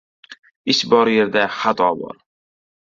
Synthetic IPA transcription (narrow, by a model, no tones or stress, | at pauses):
ɪʃbɒɾje̞ɾd̪aχat̪ʰɒbɒ̰ɾ